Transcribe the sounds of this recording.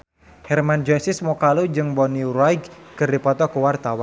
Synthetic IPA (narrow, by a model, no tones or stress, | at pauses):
hɛrmand͡ʒɔsismɔkalud͡ʒɨŋbɔniuɾajɡkɨrdipɔt̪ɔkəwart̪awan